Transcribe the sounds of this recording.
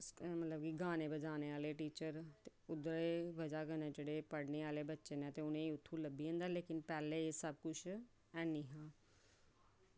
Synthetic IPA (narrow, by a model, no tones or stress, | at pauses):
mət̪ləb̚kiɡaːneːbəd͡ʒaːneːaːleːʈiːt͡ʃəɾt̪eʊd̪ɾeːʋəd͡ʒaːkənẽːd͡ʒeːɽeːpəɽneːaːleːbətːʃeːnɛ̃ːt̪eːʊnẽːiʊt̪ʰːũːləbiːɦə̃ːnd̪aːleːkɪnpɛːleːesəb̚kʊt͡ʃʰ | ɛːniːɦãː